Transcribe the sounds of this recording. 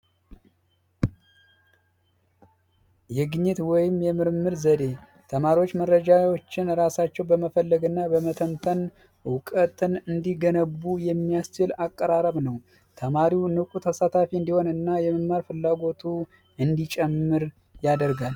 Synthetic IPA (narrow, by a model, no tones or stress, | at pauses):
jɛɡɨɲːɛt̪wɔjɪmjɛmɨɾmːɨɾzəd̪e̞ | t̪ʰəmaɾiwo̞t͡ʃːmərːəd͡ʒawot͡ʃːɪnɾasat͡ʃːɛwbəməfəlːəɡɨnːabəmət̪ʰəmt̪ʰən | wʊkʼət̪ɨnɨnd̪iɡənəβːujɛmːijast͡ʃɪlakʼːəɾaɾəβnəw | t̪ʰəmaɾiwnɨkʼut̪ʰəsat̪ʰafiɨnd̪iho̞nɨnːajɛməmaɾfɨlːaɡo̞t̪ʰu | ɨnd̪it͡ʃʼɛmːɨɾ | jad̪əɾɡal